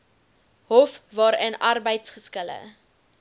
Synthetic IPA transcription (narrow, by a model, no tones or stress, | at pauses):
ɦɔfvɑːɾənʔɐrbəjtsχəskələ̰